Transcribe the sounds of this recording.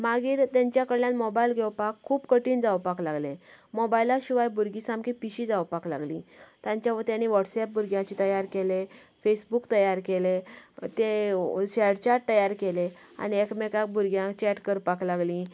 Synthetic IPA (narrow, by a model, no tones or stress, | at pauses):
maɡiːɾt̪jaɲt͡ɕjakəɽljanmobailɡʱewpakʰːuːpkəʈiːnd͡zawpaklaɡlẽmobailaɕiʋajbuɾɡisãmkipiɕid͡zawpakla̰ɡlḭ̃t̪ãɲt͡ɕjaʋəɾt̪janːiːʋɔʈsɛp̚buɾɡjãt͡ɕit̪əjaɾkele | fesbukt̪əjaɾkelet̪eɕɛɽt͡ɕaʈ̚t̪əjaɾkele | a̰niekmekak̚buɾɡjãt͡ɕɛʈkəɾpaklaɡli